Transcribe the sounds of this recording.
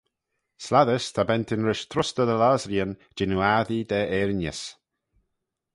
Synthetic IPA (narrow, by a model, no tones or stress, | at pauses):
slaðəst̪ʰabɛnt̪ʰɪnɾɪʃt̪ʰɾʊst̪əd̪əlaːzɾiənd͡ʒɪnuaðid̪ɛːʔɛɾnəs